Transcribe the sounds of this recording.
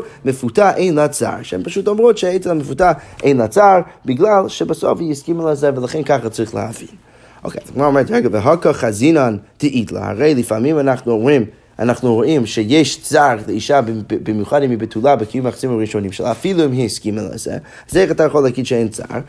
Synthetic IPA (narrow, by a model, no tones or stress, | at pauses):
məfutaʔeɪnlˠat͡sa̰ɾʃɛ̰mpaʃuːtɔmʁotʃɛeɪt͡sɛaməfutaeɪnlˠat͡saʁbɪɡlˠalˠʃɛbasɔ̰fjɪskiməlˠazɛvəlˠəχɛnkʰaχat͡siχlˠə̰havḭn | o̰keɪdɪɡmɔɾmɛnthɛɡəvəɦɔkəχazinantʰɪʔidlˠə̰a̰ʁeɪlˠɪfamimanaχnuim | a̰naχnuuimʃɛjeɪʃt͡saʁdɪiʃabbɪmjuχadɪmibɪtʰulˠabɪkɪjumaχsiməʁiʃonimʃɛ̰lˠafilˠumiskiməlˠa̰zɛ̰ | z̥eɪχatajəχɔlˠakiːdʃɛeɪnt͡sa̰ʁ